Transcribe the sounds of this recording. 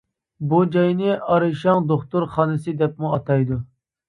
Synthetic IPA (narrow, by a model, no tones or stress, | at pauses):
bud͡ʒɑjnɨʔɑɾɨʃɑŋd̪oχt̪uɾχɑːnɨsɨd̪ɛp̚muɑt̪ʰɑjd̪u